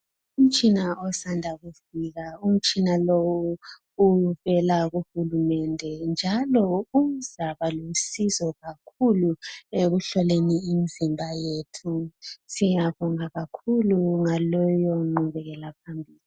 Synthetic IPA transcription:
um̩t͡ʃʼinaɔsandʱaɣufiɣaum̩t͡ʃʼinalɔwu | uvɛlaɣuxulumɛndʱɛnd͡ʒʱalɔuzaβalosizɔɣakʰulueɣuɬɔleniːmizimbʱajeːtʰusijaβɔŋaɣakʰuluŋalɔjɔŋ͡ǃuβɛɣɛlapʰambʱiːli

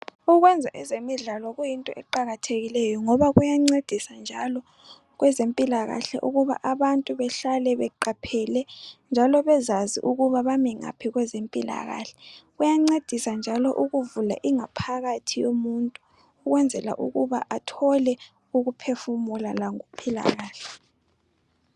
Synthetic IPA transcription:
uɣwɛnd͡zʱaʔɛzemiɮalɔɣujintʼɔ̰ʔɛǃaɣatʰeɣilɛjɔŋɔβaɣujaŋ͡ǀed̥ʱisand͡ʒʱalɔ | ɣwɛzempʼilaɣa̰ɬɛ̰ʔuɣuβa̰ʔaβantʼuβɛɬalɛβɛǃapʰɛlɛnd͡ʒʱalɔβɛzazḭʔuɣuβaβamiŋa̰pʰiɣwɛzempʼila̰ɣa̰ɬɛ̥ɣujaŋ͡ǀed̥ʱisand͡ʒʱalɔʔuɣuvula̰ʔiŋapʰaɣatʰijomuntʼuː | ɣwɛnd͡zʱɛla̰ʔuɣuβa̰ʔatʰɔlɛ | uɣupʰefumulalaŋopʰila̰ɣaːɬɛ̥

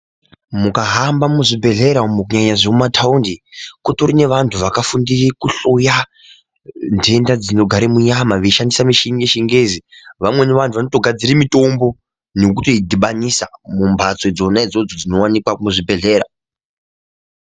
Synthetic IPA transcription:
mukaɦambamuʐibʱe̞ɮe̞ɾamuk̬uɲaɲaʐeumatʰaundikotorine̞ʋantʰuʋakafundirikuɬuja | nde̞ndad͡zino̞ɡʱaɾimuɲamaʋeiʃandisamiʃiŋɡeʃiŋɡe̞ziʋamwe̞neʋantʰuʋanotoɡʱad͡ziɾimito̞mbo̞ | nek̬utoidʱiɓanisamumbʱat͡sed͡zo̞nad͡zo̞d͡zod͡zino̞wanikwamuʐibʱe̞ɮe̞ːɾa

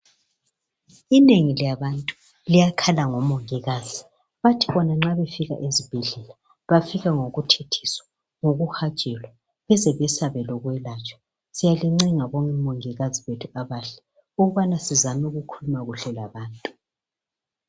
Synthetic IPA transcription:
ineŋiljaβantʼu | lijakʰalaŋɔmoŋiɣaːzi | βatʰiβɔnaŋ͡ǁaβefiɣa̰ʔezib̥ʱɛɮɛla | βafiɣaŋoɣutʰetʰi̥swḁ | ŋoɣuxḁt͡ʃʼɛlwa | βɛzɛβɛsaβɛlɔɣwɛlat͡ʃʼɔ̥ | sijaliŋ͡ǀiŋaβɔŋʼɛmoŋiɣaziβetʰuaβaɬɛ | uɣuβanasizamɛuɣukʰulumaɣuɬɛlaβaːntʼu̥

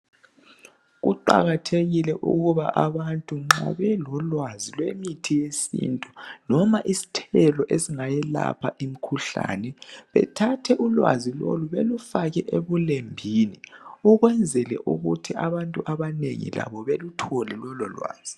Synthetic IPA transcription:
ɣuǃa̰ɣatʰeɣilɛʔṵɣuβaʔaβantʼuŋ͡ǁa̰βɛlɔlwazilwemitʰijesḭːntʼu̥nɔmaʔisi̥tʰɛlɔʔesiŋajɛla̰pʰaʔimikʰuɬa̰ːnɛβɛ̰tʰatʰɛʔulwa̰zilo̰luβelufaɣɛʔeβulembʱiniuɣwɛnd͡zʱɛlɛ̰ʔuɣutʰiaβantʼuʔaβanḛŋḭla̰βɔβelutʰɔlɛlɔlɔ̰lwa̰ːz̥i

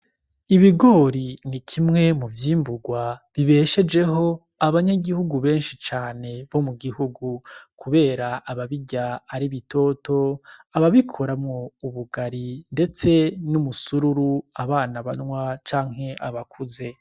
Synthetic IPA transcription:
iβiɡo̞ːɾinikʰimŋe̞muvjiːmbuɡwaβiβe̞ʃe̞d͡ʒe̞ɦo̞ | aβaɲaɡihuɡuβe̞ːnʃit͡ʃaːne̞βo̞muɡihuɡukʰuβe̞ːɾaʔaβaβiɟaːɾiβito̞to̞aβaβikʰo̞ɾamŋo̞uβuɡaɾinde̞t͡se̞numusuɾuɾuaβaːnaβanŋwat͡ʃaːŋ̥he̞ʔaβakʰuze̞

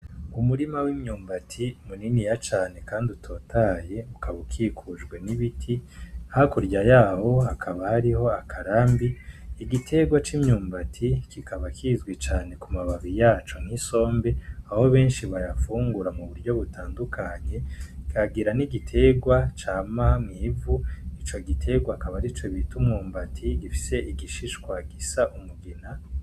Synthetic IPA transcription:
umuɾimawimɲuːmbatʰimuninijat͡ʃaːne̞kaːndiutʰo̞ːtʰaːje̞ukʰaβukʰiːkʰuʒɡwe̞niβitʰihakuɾɟajaːho̞ɦakʰaβahaɾiho̞akʰaɾaːmbiːɡitʰe̞ɡwat͡ʃimɲuːmbatʰikikʰaβakʰizɡwit͡ʃaːne̞kumaβaβijaːt͡ʃo̞ŋ̥hiso̞ːmbeaho̞βe̞ːnʃiβajafuːŋɡuɾamuβuɾɟo̞βutʰaːndukʰaɲe̞kʰaɡiɾaniɡitʰe̞ɡwat͡ʃaːmamŋiːvuit͡ʃo̞ɡitʰe̞ɡwakaβaɾit͡ʃo̞βitumŋuːmbatʰiɡifi̥se̞ʔiɡiʃiʃkwaɡisaʔumuɡina

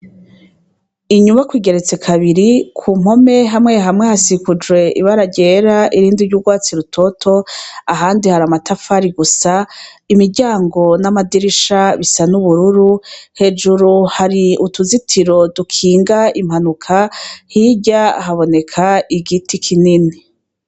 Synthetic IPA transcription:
iɲumakwiːɡe̞ɾe̞t͡se̞kʰaβiɾikʰuːm̥ho̞me̞ɦamŋe̞ɦamŋehasikud͡ʒwe̞ʔḭβaɾaɟeːɾaʔiɾiːndiɾɟuɡwaːt͡siɾutʰo̞tʰo̞aɦaːndihaɾamatafaɾiɡusa | imiɾɟaːŋɡo̞namadiɾiʃaβisanuβuɾuɾuhe̞d͡ʒuɾuhaɾiutuzitʰiɾo̞dukʰiːŋɡaim̥hanukʰahiɟa̰ɦaβo̞ne̞kʰaiɡitikʰinini

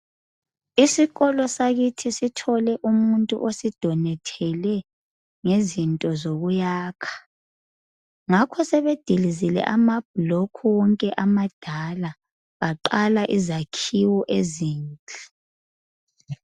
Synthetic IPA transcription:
isiɣɔlɔsaɣitʰisitʰɔlɛʔumuntʼṵʔosid̥ʱɔnɛtʰɛlɛ | ŋezintʼɔzoɣujaːkʰḁ | ŋakʰɔsɛβed̥ʱilizilɛ̰ʔamab̥̚ʱlɔkʰuwɔŋkʼɛʔamad̥ʱala | βaǃalaʔizakʰiwɔʔeziːnt͡ɬʼi

